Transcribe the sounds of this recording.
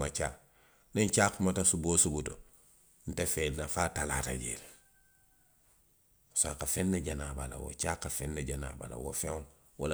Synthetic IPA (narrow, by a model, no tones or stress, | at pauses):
mat͡ʃa | nent͡ʃakmatasubosubuto | n̩tefelnafaːtala̰ta̰ɟḛl | sakafenːeɟanabala̰wo̰t͡ʃaːkːafenːeɟana̰ba̰la̰wo̰feŋ | wa̰la